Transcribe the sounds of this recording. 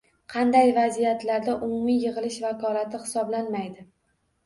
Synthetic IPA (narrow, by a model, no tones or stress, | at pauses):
qʰɑnd̪ajvazijat̪laɾd̪aʔʊmʊmijɨʁɨlɪʃvakʰɒlat̪ʰɪχɪ̥sɒblanmajd̪ɪ